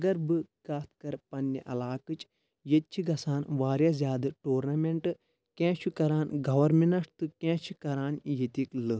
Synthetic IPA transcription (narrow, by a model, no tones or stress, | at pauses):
ɐɡɐɾbɨkaːt̪ʰkɐɾpɐnːɐ̰ʔɐlaːkɨt͡ʃ | jet̪̚t͡ʃʰiɡɐsaːnʋaːɾjaːzʲjaːd̪ɨʈoːɾnɐmeɳʈɨ | kɛ̃ːt͡ʃʰikɐɾaːnɡɐʋɐɾmenɐʂt̪ɨkʲɛ̃ːt͡ʃʰikɐɾaːnjet̪iklɨ